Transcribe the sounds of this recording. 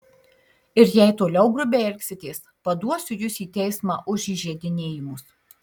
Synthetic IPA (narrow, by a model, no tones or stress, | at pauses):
ɪɾjɛɪt̪oːlʲɛʊɡɾʊbʲeɛɾʲkʲsʲɪt̪ʲeːspɐd̪uɔsʲʊjʊsiːt̪ʲɛɪsmɑːʔʊʃiʒʲiɛd̪ʲɪnʲeːjɪmʊs